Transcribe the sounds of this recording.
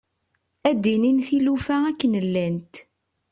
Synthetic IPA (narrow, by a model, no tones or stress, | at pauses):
æd̪ːininθilufæækːənəlːænt̪